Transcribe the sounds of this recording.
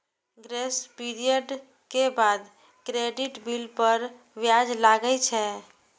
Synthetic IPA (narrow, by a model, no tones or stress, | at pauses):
ɡɾespiɾijəɖ | kebad̪ | kɾeɖiʈbilpəɾ | ʋjad͡ʒlaɡət͡ʃʰɛ